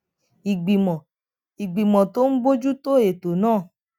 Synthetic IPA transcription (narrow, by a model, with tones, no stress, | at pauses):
i˨ɡ͡bi˨mɔ˨ | i˨ɡ͡bi˨mɔ̃˨to˦n̩˦bo˦d͡ʒu˦to˦e˨to˨nãː˦˨